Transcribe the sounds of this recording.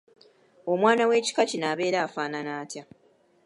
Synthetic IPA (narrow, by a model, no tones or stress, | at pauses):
o̞mwaːnawe̞ːci̥kacinaːβe̞ːɾaːfaːnanaːtja